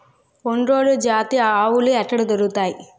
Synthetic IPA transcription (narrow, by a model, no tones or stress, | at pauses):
oɳɾoːlud͡ʒaːt̪iaaːwuluɛʈːɐɽud̪ɐɾuɡut̪aːji